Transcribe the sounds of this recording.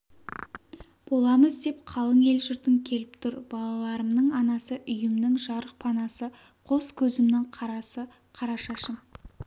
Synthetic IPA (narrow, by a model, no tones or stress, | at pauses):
b̥o̞lˠɑməzd̪e̞pqʰɑlˠəŋe̞lʒʏɾt̪ɪŋkʲʰe̞lɪp̚t̪ʰʊɾb̥ɑlˠɑlˠɑɾəmnəɴɑnɑsəʔʏjɪmnɪŋʒɑɾəq̚pʰɑnɑsə | qʰo̞skʲʰɵzɪmnɪŋqʰɑɾɑsə | qʰɑɾɑʃɑʃəm